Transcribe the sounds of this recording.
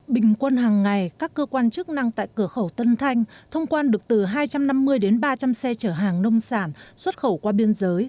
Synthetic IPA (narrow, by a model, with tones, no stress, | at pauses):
ɓï˨˩ŋ̟kwə˧nɦaː˨˩ŋːa˨˩jkaː˦˥kːəː˧kwaː˧nt͡ɕɨ˦˥k̚na˧ŋt̪a̰ː˧˨jkɨ˧˩əxə˧˩wt̪ə˧nt̪ʰa˧jŋ̟t̪ʰə˧wŋ͡mkwaː˧nɗɨ˨˩ək̚t̪ɨ˨˩ɦaː˧jt͡ɕa˧mna˧mːɨ˧əjɗe˨˦nɓaː˧t͡ɕa˧msɛ˧t͡ɕəː˧˩ɦaː˨˩ŋnə˧wŋ͡msaː˧˩nswə˦˥t̚xə˧˩wkwaː˧ɓi˧ənzəː˨˦j